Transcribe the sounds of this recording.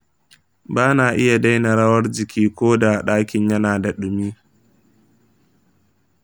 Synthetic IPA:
baː˦naː˨ʔɪ˦ja˨da˦jna˨ɽɐ˦wɐ˦rd͡ʒɪ˨kʲʰiː˦kʷoː˦da˨ɗaː˦kʲɪ˨ɲjɐ˦naː˨da˨ɗʊ˨miː˦

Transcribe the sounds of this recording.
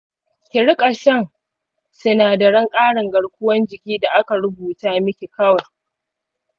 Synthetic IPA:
kʲɪ˨ɽɪ˦kʼa˨ʃɐ˦ŋ | sʊ˦naː˨da˨ɽɐ˦ŋkʼaː˦ɽɐ˨ŋɡɐ˨ɽkʷʊ˦wɐ˦nd͡ʒɪ˨kʲiː˦da˨ʔa˦ka˨ɽʊ˦buː˨taː˦mɪ˦kʲe˨kɐ˦wɐ˨r

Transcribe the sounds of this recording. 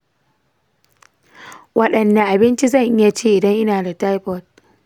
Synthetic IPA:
wɐ˦ɗɐ˨nːa˨ʔa˨bɪ˦nt͡ʃi˦zɐ˦˨ŋʔɪ˦ja˨t͡ʃeː˦ʔɪ˨dɐ˦ŋʔɪ˦naː˨da˨ta˦jɸɔ˦˨t̚

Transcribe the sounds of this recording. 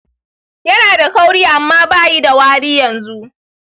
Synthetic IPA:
jɐ˦naː˨da˨ka˦wɽiː˦ʔa˨mːaː˦baː˦˨ji˦da˨waː˦ɽiː˦jɐ˨nzu˦ʔ

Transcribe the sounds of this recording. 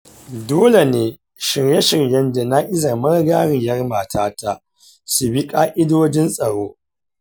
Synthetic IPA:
doː˦le˨neː˨˦ | ʃɪ˨rjɛ˦ʃɪ˨rjɐ˦nde˨na˦ʔɪ˦za˨mɐ˦rɡaː˦ɾɪ˨jɐ˦rmaː˨tʰaː˦ta˦ | su˨bi˦kʼaː˦ʔɪ˦doː˦d͡ʒɪ˦nsʼɐ˨ɽoː˦

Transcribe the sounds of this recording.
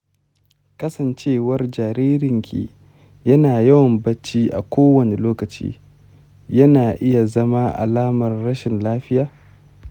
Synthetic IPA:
kɐ˦sɐ˨nt͡ʃeː˦wɐ˦rd͡ʒaː˨ɾiː˦ɾɪ˨ŋkʲʰḭ˨ | jɐ˦naː˨jɐ˦wɐ˨mbɐ˦t͡ʃːiː˦ʔa̰˨kʷoː˦wɐ˨ne˨loː˦kɐ˨t͡ʃḭː˦ | jɐ˦naː˨ʔɪ˦ja˨zɐ˦ma˦ʔa̰˨laː˦mɐ˨rːɐ˦ʃɪ˨nlaː˦ɸɪ˦jaː˨

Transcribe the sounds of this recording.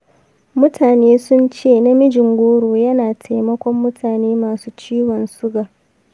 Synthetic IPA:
mʊ˦tʰaː˨neː˦sʊ˦nt͡ʃeː˦˨na˦mɪ˦d͡ʒɪ˨ŋɡʷoː˦ɽuː˨jɐ˦naː˨tʰa˨jmɐ˦kʷɔ˦mːʊ˦tʰaː˨neː˦maː˨suː˦t͡ʃiː˦wɔ˨nsʊ˦ɡaː˨

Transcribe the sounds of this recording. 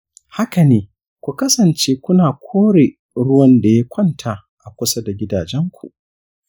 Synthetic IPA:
ha˦ka˨neː˦ | kʷu˨kɐ˦sɐ˨nt͡ʃeː˦kʷʊ˦naː˨kʷʰoː˦ɽe˨ | ɽʊ˦wɐ˦nda˨ja˦kʷʰɐ˦˨ntʰaː˨ | ʔa˨kʷʊ˦sɐ˦da˨ɡʲɪ˦daː˨d͡ʒɛ˦ŋkʷṵ˨ʔ

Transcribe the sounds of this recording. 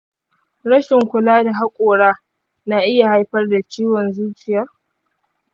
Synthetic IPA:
ɽɐ˦ʃɪ˨ŋkʷʊ˨laː˦da˨ɦa˦kʷʼoː˨ɽaː˦ | na˨ʔɪ˦ja˨ha˦jɸɐ˦rda˨t͡ʃiː˦wɔ˨nzuː˦t͡ʃɪ˨jɐ˦r

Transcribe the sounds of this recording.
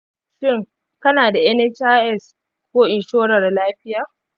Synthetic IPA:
ʃɪ˦˨ŋ | kɐ˦naː˨da˨ʔɛ˦nɛ˦t͡ʃaː˦ʔɛ˦˨s | kʷoː˦ʔɪ˨nʃoː˦ɽɐ˨rlaː˦ɸɪ˦jaː˨

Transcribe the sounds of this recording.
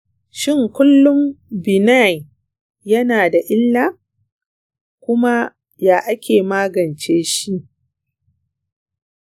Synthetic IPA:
ʃɪ˦˨ŋkʷʊ˦lːʊ˦mbɪ˨na˦˨j | jɐ˦naː˨da˨ʔɪ˦lːaː˦˨ | kʷʊ˦ma˦ | jaː˨ʔa˦kʲeː˨maː˦ɡɐ˨nt͡ʃeː˦ʃi˦ʔ

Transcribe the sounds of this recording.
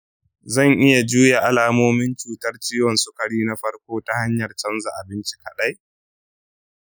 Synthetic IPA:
zɐ˦˨ŋʔɪ˦ja˨d͡ʒuː˦ja˨ʔa˨laː˨moː˦mɪ˦nt͡ʃuː˨tɐ˦rt͡ʃiː˦wɔ˨nsʊ˦kɐ˨ɽiː˦na˦ɸɐ˦rkʷoː˦ta˦ha˦ɲjɐ˨rt͡ʃɐ˦nza˨ʔa˨bɪ˦nt͡ʃi˦kɐ˨ɗa˦j

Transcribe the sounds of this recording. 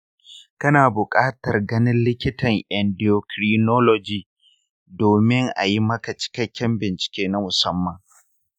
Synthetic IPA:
kɐ˦naː˨bʊ˨kʼaː˦tɐ˨rɡɐ˦nɪ˦nlɪ˦kʲɪ˦tɐ˨ŋʔɛ˨ndi˨o˨kɾiː˨noː˦lɔ˨d͡ʒiː˨ | doː˨mɪ˦ŋʔa̰˨ji˦mɐ˦ka˨t͡ʃɪ̥˦kɐ˦kʲːɛ˦mbɪ˨nt͡ʃɪ̥˨kʲeː˦na˦mʊ˨sɐ˦mːɐ˨ŋ

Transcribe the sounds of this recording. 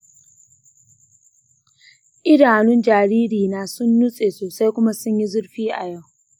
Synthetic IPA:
ʔɪ˦daː˨nʊ˦nd͡ʒaː˨ɾiː˦ɾiː˨naː˨sʊ˦nːʊ˦sʼeː˨soː˨sa˦jkʷʊ˦ma˦sʊ˦ɲji˦zʊ˦ɽɸiː˦ʔa̰˨ja˦˨w

